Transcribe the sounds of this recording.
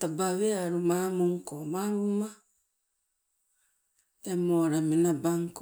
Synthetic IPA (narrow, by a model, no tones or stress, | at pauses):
tabaβeaɾumamuŋkomaɾuma | emoɾamenabaŋk